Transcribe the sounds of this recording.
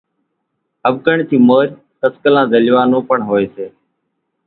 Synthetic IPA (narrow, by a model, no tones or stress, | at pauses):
əbɡəɳt̪ʰiːmoːɾ | k̪əskəlãːd̪əlʋãːnõːpəɳɦoːeːseː